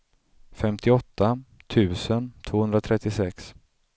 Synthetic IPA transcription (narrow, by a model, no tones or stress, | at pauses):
fɛmt̪ʰɪɔt̪ːat̪ʰʉ̟ːsənt̪ʰv̥oːhɵnd̪ɾat̪ʰɾɛt̪ːɪsɛks